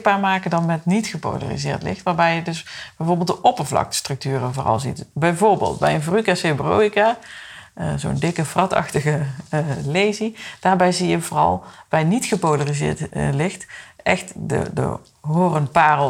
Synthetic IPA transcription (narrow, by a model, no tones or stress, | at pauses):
baːɹmaːkəndɑnmɛtnitχəpo̰wla̰rḭzɪ̰ːɹtlɪ̰xtʋaːɹbɛjjədɵsb̥ɛjvoːɹbelˠdəʔɔpəɹvlɑ̰kstrɵk̚tyːrəvoːrɑ̰lˠzḭtbɛjvoːɹbḛːlˠtbɛ̰jənvrykasebrowikaː | əzo̰ndɪkəfrɑtɑ̰xtəɣə | lejzid̥aːɹbɛjzijəvorɑ̰lˠbɛjnitxəpowlarizɪ̰ːɹtlɪxtʔɛxtdə̰də̰ | ɦoːrənpaːrəlˠ